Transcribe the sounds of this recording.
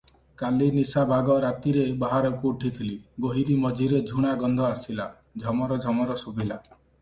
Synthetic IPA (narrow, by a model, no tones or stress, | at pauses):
kalinisabʱaɡɔɾat̪iɾebaɦaɾɔkuːʈʰit̪ʰiliɡoɦiɾimɔd͡ʒʱiɾed͡ʒʱuɽ̃aɡɔnd̪ʱɔasila | d͡ʒʱɔmɔɾɔd͡ʒʱɔmɔɾɔsubʱila